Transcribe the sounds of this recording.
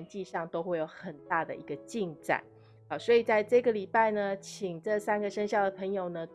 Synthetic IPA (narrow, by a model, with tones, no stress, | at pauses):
nt͡ɕi˥˧ʂɑ˥˨˩ŋt̪o˥ʊxwe˥˩ɪjo˨˩ʊxə˨˩nt̪a˥˩d̪ə̰˩ʔi˧˥ɡə˧t͡ɕi˥˧ŋt͡sa̰˨˩˦ | ɔ˨˩swɔ˧˥i˨˩t͡sa˥˧ɪʈ͡ʂɤ˥˩ɡə˩li˨˩pa˥˩ɪnə˩t͡ɕʰi˨˩ŋʈ͡ʂɤ˥˧sa˥nɡə˨ʂə˥nɕjɑ˥˩ʊd̪ə˩pʰə˧˥ŋjo˨˩ʊnə˦